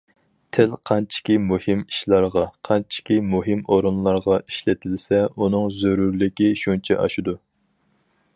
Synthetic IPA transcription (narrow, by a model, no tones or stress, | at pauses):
t̪ʰɪlqʰɑnt͡ʃʰi̥kʲimuhɪmiʃlˠɑɾʁɑqʰɑnt͡ʃʰi̥kʲimuɦɪmoɾɨnlˠɑɾʁɑi̥ʃlɪt̪ʰɪlsɛunɨŋzøɾuɾlɪkʲiʃunt͡ʃʰɛ̰ʔɑ̰ʃud̪u